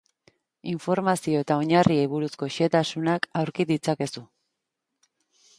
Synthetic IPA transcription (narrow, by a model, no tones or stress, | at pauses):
iɱfo̞ɾmasio̞e̞t̪ao̞ɲariejβuɾusko̞ʃe̞t̪asunakawɾkiðit͡sake̞su